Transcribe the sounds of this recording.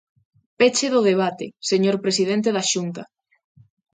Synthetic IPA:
pet͡ʃeðʊðeβ̞at̪ḛseɲoɾpɾesiðent̪eðaʃunt̪ɐ

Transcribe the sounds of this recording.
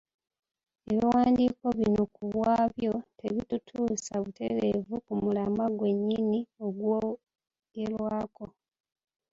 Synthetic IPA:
eβiwaːndiːko̞βino̞kuβwaːβjo̞tʰe̞βitutʰuːsaβute̞̰ɾevukumulamaɡwe̞ɲːinio̞ɡwo | ɡ̥e̞ɾwaːko̞

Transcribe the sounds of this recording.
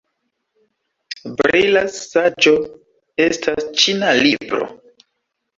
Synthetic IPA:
bɾilaad͡ʒo̞ | e̞stʰast͡ʃinalibɾo̰

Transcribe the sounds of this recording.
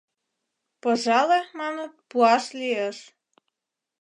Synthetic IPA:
poʒɑlemɑnə̆t̪̚puɑʃlʲieʃ

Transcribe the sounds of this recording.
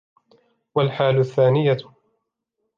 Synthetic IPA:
walħaːlʊθːaːnɪja

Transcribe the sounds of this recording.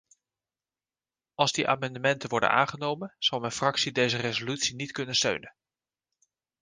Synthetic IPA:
ɑlˠzdiʔa̰ːmɑndəmɛntənʋɔɹdə̰na̰ːŋχənowmənz̥ɑwˠmɛnfrɑksidejzərezolytsinitkɵnənstø̰ɥnən

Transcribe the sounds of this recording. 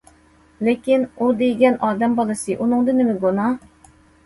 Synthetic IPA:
lekʲinud̪ejɡʲɛnʔɑːd̪ɛmbɑlˠɨsɨʔunɨŋd̪ɨnɪmɪɡonɑ

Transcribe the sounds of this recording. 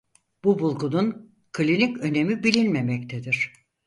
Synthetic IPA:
b̥ubulˠkunun | kʰɯlʲinicø̞ne̞mibilʲinme̞mɛct̪ʰed̪iɾ̝̥

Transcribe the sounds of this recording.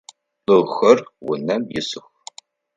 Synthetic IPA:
lɨʁxɐrwʊ̰nɐmjɪsɨxʷ

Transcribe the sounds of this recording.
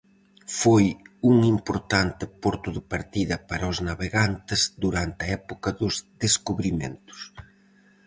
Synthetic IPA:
fojuŋimpoɾt̪ant̪ɪpoɾt̪ʊðɪpaɾt̪iðɐpaɾɐʊznaβeɣant̪ɪzd̪uɾant̪ɪɐɛpokɐðʊzðeskuβɾimḛnt̪ʊ̥s

